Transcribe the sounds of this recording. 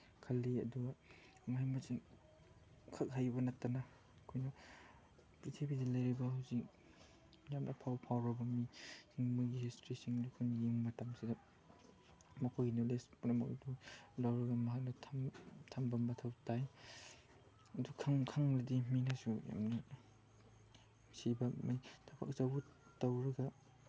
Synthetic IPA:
kʰɐlːiɐ̰duɡa | maajmasin | kʰak̚ɦajbɐnɐtːana | kʰojnɐ | pɾitʰibidɐlɐjɾibɐhawzik̚ | mijamnʔɐ̰pʰawpʰawɾɐbɐmihiŋmujɡihistɾisiŋlukʰunjiŋmɐtamsidɐ | mɐkʰojɡinolespunɐmɐ̰k̚dulawɾɐɡɐmɐɦak̚nɐtʰamtʰambɐmɐtʰawtaj | ɐdukʰaŋkʰaŋɾɐdiminasuja̰mni | sibɐmajtʰapʰa̰k̚zabutawɾɐɡɐ

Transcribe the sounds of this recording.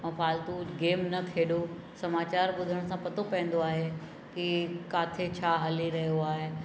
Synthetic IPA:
ɛ̃ːfʰaːlt̪uɡeːmnɐk̪ʰeːɗo | sɐmaːt͡ɕaːɾɓʊd̪ʱəɽ̃sãpɐt̪opɐ̃ɪ̃n̆d̪oaːɦe | kikaːt̪ʰet͡ɕʰaːɦɐliɾɐɦijoaːɦe

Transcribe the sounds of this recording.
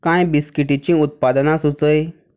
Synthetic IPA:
kãjbiskiʈit͡ɕĩːut̪̚pad̪nasut͡səj

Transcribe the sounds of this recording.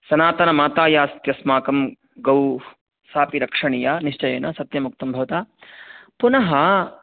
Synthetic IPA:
sɐnaːt̪ɐnɐmaːt̪aːjaːst̪jɐsmaːkɐm | ɡɐw | saːpiɾɐkʂɐɳijaːniʂt͡ʃɐjeːnɐsɐt̪jɐmuk̚t̪ɐmbʱɐʋɐt̪aː | punɐɦɐ

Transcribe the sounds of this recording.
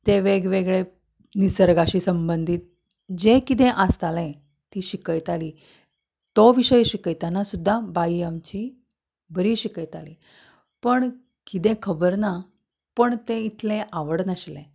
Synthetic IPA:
t̪eʋeɡʋeɡɭe | nisəɾɡaɕiːsəmbənd̪ʱiːt̪̚ | d͡ʑekit̪̬ẽʔəst̪alɛ̃ | t̪iːɕikəjt̪aliː | t̪oʋiɕəjɕikəjt̪anasud̪ʱːabaiamt͡ɕi | bəɾiːɕikəjt̪aliː | pəɳ | kit̪ẽkʰəbəɾna | pəɳt̪ẽit̪lẽʔaʋəɽnəɕlẽ

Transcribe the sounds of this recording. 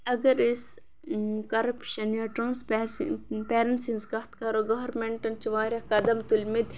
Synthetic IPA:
ɐɡɐɾis | kɐɾɐpʃɐnjaːʈɾãːnspespeːɾɐnsinzkɐht̪kɐɾoɡɐɦɐɾmeɳʈɐnt͡ʃiʋaːɾjɐkɐd̪ɐmt̪ulmid̪

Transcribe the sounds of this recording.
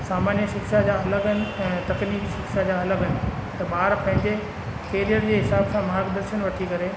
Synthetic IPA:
saːmaːnjəkʃɪkʃad͡ʑaːɐləɡənɪ̆ɛ̃ːt̪ɐkniːkʃɪkʃad͡ʑaːɐləɡənɪ̆t̪ɐbaːɾpɐ̃ɦɪ̃ɲd͡ʑe | keːlijəɾd͡ʑeːɦɪsaːbsãmaɦakd̪əɾʃənʋɐʈʰikɐɾe

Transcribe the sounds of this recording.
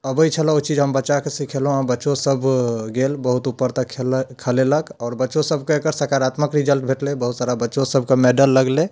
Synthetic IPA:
əbəjt͡ʃʰəlot͡ʃid͡ʒɦəmbətːʃakesikʰelɦũabətːʃosəbʱɡelbəɦut̪upːəɾt̪əkʰkʰəleləkɔːɾbətːʃosəbʱkekəɾsəɾkaɾat̪məkɾid͡ʒəlʈbʱeʈlebəɦut̪saɾabətːʃosəbʱkemeɖəlːəɡle

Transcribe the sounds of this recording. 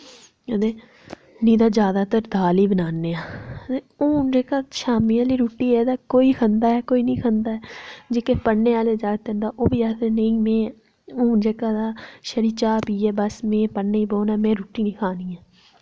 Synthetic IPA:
əd̪eː | nĩːd̪aːd͡ʒjaːd̪aːt̪əɾd̪aːliːbənaːnːeːãːeːuːnd͡ʒeːkaːʃaːmiːãːliːɾuːʈːiːɛːd̪aːkoːiːkʰənd̪aːɛːkoːiːnĩːkʰənd̪aːɛːd͡ʒeːkeːpəneːaːleːd͡ʒaːɡt̪end̪aːʔoːbiːɛːt̪enəĩːmẽː | uːnd͡ʒeːkaːd̪aːʃəɾiːt͡ʃaːpiːɛːbəsmẽːpəːeːiːboːnaːmẽːɾuːʈːiːnĩːkʰaːniːãː

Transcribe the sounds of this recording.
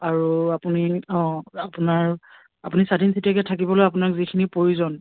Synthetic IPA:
aɹuapuniɔ̃apunaɹ | apunisadʱinsitɛkɛtʰakibɔlojapʊnakzikʰinipɹoɹuzɔn

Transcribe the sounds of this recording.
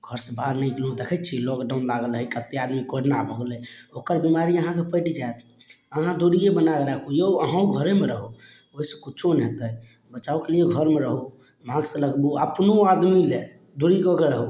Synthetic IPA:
ɡ̥ʱəɾsebaɾnəikelõd̪ekʰɛt̪̚t͡ʃʰilɔkɖaʊ̃nlaɡəlɦəikət̪ːead̪mikoɾnabʱəɡleokəɾbimaɾiəɦãkepəɪʈid͡ʒaet̪ | əɦãd̪uɾikebənakeɾɛkujoəɦãũɡʱəɾemeɾəɦo | oisə̃kit͡ʃʰonɛ̃t̪ə | bət͡ʃaukelieɡʱəɾmeɾəɦo | mãɡsələɡbuəpnoad̪mile | d̪uɾikɔɡeɾəɦo

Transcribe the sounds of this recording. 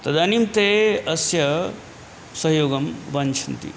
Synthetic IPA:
t̪ɐd̪animt̪eɐsjɐ | sʌɦjoːɡɐmbɐnt͡ʃʰɐnt̪ḭ

